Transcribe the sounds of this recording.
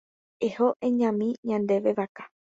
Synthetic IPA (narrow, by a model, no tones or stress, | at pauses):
ehoʔẽɲãmĩɲãnd̪e̞ʋe̞ʋakḁ